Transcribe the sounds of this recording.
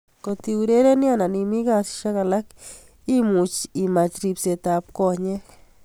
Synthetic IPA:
ko˧t̪i˧u˧ɾe˦ɾe˦nja˦˨na˨ni˧mi˦ɡa˧sʃa˦ka˧la˦k | i˦mu˨t͡ʃi˨ma˧t͡ʃɾi˧pse˧t̪a˧p̚ko˧ɲe˦k

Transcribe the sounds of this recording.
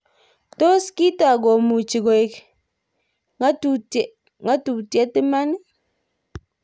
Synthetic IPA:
to˦ski˦ta˨ɡo˨mu˨t͡ʃi˨ɡo˨ɪ˨k | ŋa˦tu˨t | ŋa˦tu˨tjɛ˦ti˦ma˦ni˦

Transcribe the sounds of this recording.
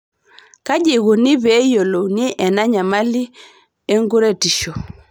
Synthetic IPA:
ka˦ʄɛ˨ɣu˨ni˦βɛ˨˦jɔ˨lɔ˨ni˦ʔɛ˨na˦ɲa˨ma˦li˦ | ɛ˦ŋɡu˦ɾɛ˦ti˨ʃɔ˨

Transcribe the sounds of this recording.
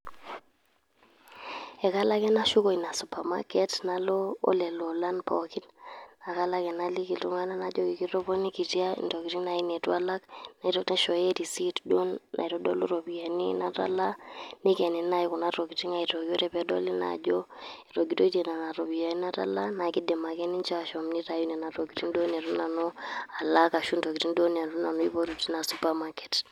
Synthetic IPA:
ɛ˨ka˦la˦kɛ˦na˦ʃu˦ko˨i˨na˨su˨pa˨ma̰˦kɛ˦tna˨lɔ̰ː˦lɛ˨lo˨la˦npɔ˨ki˦nna˨ka˦la˦kɛ˨na˦li˦ki˨ltu˦ŋa˦na˦na˦d͡ʒo˦ki˨ki˦ɾo˦pɔ˦ni˦ki˨ti˦a˦ḭ˨nto˨ki˨ti˦na˨i˦ne˨twa˦la˦kna˨i˨tɔ˦te˦ʃɔ˨je˦ɾi˨si˦tdo˦nːa̰˨i˨ɾo˦do̰˦lṵ˦ɾo˨bi˨a˨nḭ˦na˦ta̰˦la˦ni˦kɛ˨nɛ˨˦na˦ji˦ku˨na˦ɾɔ˨ki˨ti˦ŋa˦i˨tɔ˨ɡi˦ɔ˦ɾɛ˦˨pɛ˦dɔ̰˦li˦na̰˨d͡ʒɔ˦ | i˨ɾo˨ɡi˦to˦te˨na˨na˨ɾɔ˨bi˨ja˨ni˦na˦ta̰˦la˦na˨ki˦dɛ˨ma˨kɛ˦ni˦nt͡ʃa˦ʃɔ˨mni˦ta˨˦ju˦nɛ˨na˨ɾɔ˨ki˨ti˦ndo˦ni˨a˨ɾu˦na˨nɔ˦a˨la˦ka˨ʃu˦ntɔ˨ki˨ti˦ndo˦n˨a˨ɾu˦na˨nɔ˦i˦pɔ˦ɾu˨ti˦na˨su˦pa˦ma˦kɛ̥˨t

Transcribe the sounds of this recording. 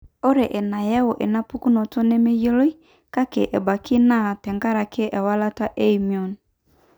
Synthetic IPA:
o˦ɾe˨ʔe˨na˨jɛ˦wo˨ʔe˨na˦pu˦ku˦no˨to˦ne˦me˦jo˦lo˦i˦ | ka˦ke˨ʔe˨ba˨ki˦na˦˨tɛ˨ŋɡa˦ɾa˨kʰe˦ʔɛ˨wa˦la˦ta˦ʔe˦i˨mi˨o˨n

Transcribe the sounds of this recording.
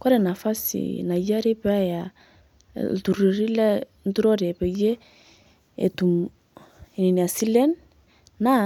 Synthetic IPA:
kɔ˦ɾɛ˨na˨fa˦sḭna˨ja˦ɾe˦pa˦ja̰˨ | tu˨ɾi˨ɾi˦lɛ˦ | ntu˦ɾɔ˦ɾɛ˨pɛ˨je˦ | ḛ˨tu˨m˨ | ni˨ni˨a˨si˦lɛ˦n | na˦

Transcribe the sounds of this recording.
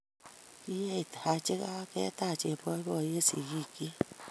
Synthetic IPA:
i˦je˦i˨tha˨˧˦t͡ʃe˦ka˦a˦ke˦ta˦˨t͡ʃe˨pɔ˧˦i˦ɔ˦˨je˦sḭ˨ji˦˨ki˦

